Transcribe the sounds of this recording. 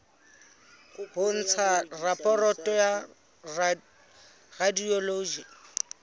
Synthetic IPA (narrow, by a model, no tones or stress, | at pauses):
hʊn̩t͡sʰarapʼɔrɔtʼɔja | radiɔloːd͡ʒa